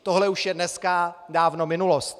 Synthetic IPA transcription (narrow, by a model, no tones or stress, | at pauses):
t̪oɦlɛuʃjɛdnɛskadaːvno̞mɪnulost̪̚